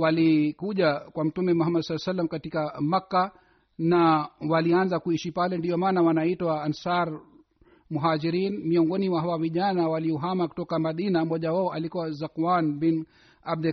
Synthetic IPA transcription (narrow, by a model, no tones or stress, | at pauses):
walikuʄakwam̩tumɛmuɦamːadsalːasalːamkatikamakːa | nawalianzakuiʃipalɛndiɔmaːnawanaitwaːnsaɾ | muɦad͡ʒiɾinmiɔŋɡɔnimwaɦawaviʄanawaliɔɦamaku̥tɔkamaɗinamɔʄawaɔʔalikuwazakmanbin | ab̚dɛ